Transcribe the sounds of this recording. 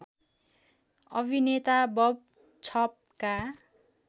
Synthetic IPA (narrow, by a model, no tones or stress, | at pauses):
ʌbʱinet̪abʌb̚ | t͡sʰʌp̚ka